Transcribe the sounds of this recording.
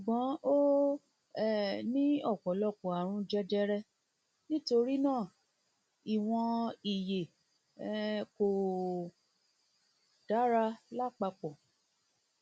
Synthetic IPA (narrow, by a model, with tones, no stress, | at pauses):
ʃu˨ɡ͡bɔ̃˨˦o˦ | ɛ˦˨nĩ˦ɔ˦˨kɔ˨˦lɔ˦˨kɔ˨a˨ɾ̃ũ˧d͡ʒɛ˧d͡ʒɛ˧ɾɛ˧ | nĩ˦to˧ɾi˦nãː˦˨ | i˨w̃ɔ̃˧i˨je˨˧ | ko˨ | d̥a˨˦ɾa˧la˦˨k͡pa˧k͡pɔ˨